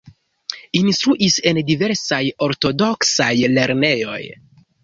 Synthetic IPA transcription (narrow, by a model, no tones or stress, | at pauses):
inst̪ɾuʔise̞ndive̞ɾsajo̞ɾto̞do̞ksajle̞ɾne̞jo̞̰j